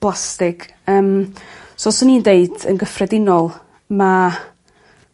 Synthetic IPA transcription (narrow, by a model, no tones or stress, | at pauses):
b̥lˠastɪɡ | əːmsɔsəniːndeɨd̥ə̰nɡəfrɛdɪnɔlˠ | ma